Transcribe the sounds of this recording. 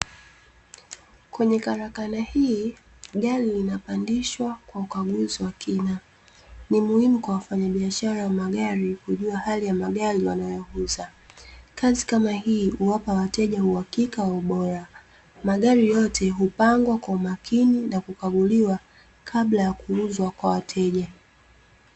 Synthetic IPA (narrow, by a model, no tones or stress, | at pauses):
kwɛɲɛkaɾakanahi | ɠaɾilinapandiʃwakwaukaɠuziwakʰina | nimuhimukwawafaɲaɓiaʃaɾawamaɠaɾikuʄuahalijamaɠaɾiwanajɔhuza | kazikamahiːhuwapawatɛʄauhakikawɔɓɔɾa | maɠaɾijɔtʰɛɦupaŋɡwakwaumakʰininakukaɠuliwa | kʰaɓlajakuuzwakwawatʰɛʄa